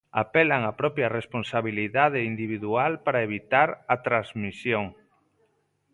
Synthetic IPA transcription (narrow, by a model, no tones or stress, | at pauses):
a̰pɛlaŋapɾɔpjaresponsaβiliðaðeind̪iβ̞iðualpaɾaeβ̞it̪aɾɐt̪ɾazmisjoŋ